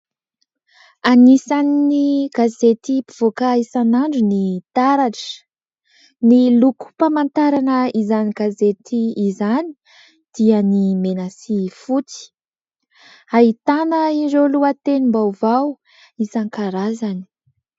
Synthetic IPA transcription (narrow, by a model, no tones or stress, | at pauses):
anisaniniɡazet̪ipiv̥okaisanaɳɖ͡ʐunit̪aɾaʈ͡ʂə̥ | niluku̥pamant̪aɾanəizaniɡ̥azet̪iːzani̥ | d̪̥iənimenasifut͡si̥ | aɦit̪anəiɾeluət̪enimbawvaw | isaŋkaɾazani̥